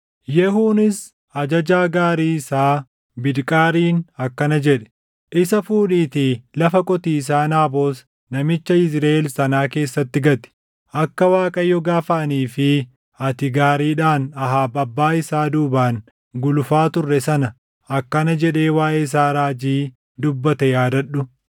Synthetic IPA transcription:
jɛɦuːnɪs | ɐd͡ʒɐd͡ʒaːɡaːɾiːɪsaː | bɪd̪kʼaːɾiːnɐkːɐnɐd͡ʒɛᶑɛ̥ | ʔɪsɐfuːᶑiːt̪ilɐfɐkʼɔt̪iːs̬aːnaːbo̞ːs | nɐmɪt͡ʃːɐɪsɾaːɛlsɐnaːke̞ːsːɐt̪ːɪɡɐt̪ɪ̥ | ʔɐkːɐwaːkʼɐjːɔɡaːfɐʔɐniːfɪ | ɐt̪ɪɡaːɾiːᶑaːnɐɦaːbɐbːaːɪsaːd̪uːbaːn | ɡʊlʊfaːt̪ʊrːɛsɐnɐ | ɐkːɐnɐd͡ʒɛᶑe̞ːwaːʔeːɪs̬aːɾaːd͡ʒiː | d̪ʊbːɐt̪ɐjaːd̪ɐɗʊ

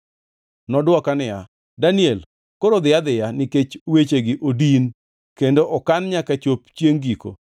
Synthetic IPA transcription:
nɔdwɔkanɪja | daniɛl | koɾod̪ɪjad̪ɪjanɪket͡ʃwet͡ʃeɡɪʔodin | kendoʔɔkanɲakat͡ʃopt͡ʃjeŋɡiko̰

